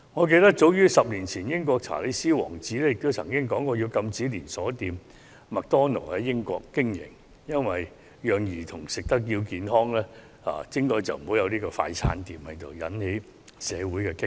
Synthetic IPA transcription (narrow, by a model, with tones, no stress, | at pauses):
ŋɔ˨˧k̬e˧jt̪ɐ˥k̚t͡so˨˧˥wjyː˥sɐ˨p̚liː˨˩nt͡sʰiː˨˩njɪ˥ŋkʷɔː˧k̚t͡sʰa̰ː˨˩le˨˧jsiː˥wɔ̰ː˨˩ŋt͡siː˨˥lɛ˥jɪ˨k̚t̪o˥wt͡sʰɐ˨˩ŋkɪ˥ŋkɔː˨˥ŋkɔː˧jiː˨˧wkɐ˧mt͡siː˨˥liː˨˩nsɔː˨˥t̪iː˨˧m | mɐ˨k̚t̪ɔː˥no̰˨˩ɐ˨˩jɪ˥ŋkʷɔ̰ː˧kːɪ˥ŋjɪ̰˨˩ŋ | jɐ˥nwɐ˨j | jœː˨ŋjiː˨˩t̪ʰʊ˨˩ŋsɪ˨k̚t̪ɐ˥k̚jiː˧wkiː˨˧nɦɔː˥ŋlɛː˥ | a̰ː˨˧t͡sɪ˥ŋkɔː˧jt͡sɐ̰˨wm̩˨ho˨˥wjɐ˨˧wniː˥kɔː˧fa̰ː˧jt͡sʰa̰ː˨˥nt̪iː˨mhɐ˨jt̪o˨˩wjɐ̰˨˥nhe˨˧˥j | sɛː˨˧wuː˨˥jkɛː˧kɪ˥ŋ